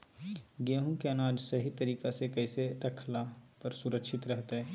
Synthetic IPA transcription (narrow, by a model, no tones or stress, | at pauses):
ɡeːɦũkeɐnaːd͡ʒsɐɦit̪ɐɾiːkasekɛːseɾɐkʰlapɐɾsʊɾəkʃɪt̪ɾɛɦt̪aɦɛː